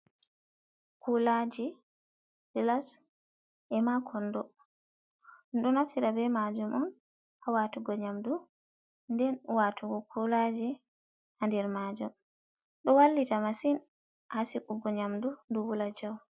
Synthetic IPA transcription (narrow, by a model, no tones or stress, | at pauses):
kulad͡ʒi | lɛlas | ʔɛmakʰɔndɔ | nɗɔnaftiɾabɛmad͡ʒumɔn | ʔawatuɡɔɲamdu | ndɛnwatʰuɡɔkʰulad͡ʒɛ | ʔandɛɾmaːd͡ʒum | ɗɔwalːitamasin | ʔasikuɡɔɲamdunduwulad͡ʒaw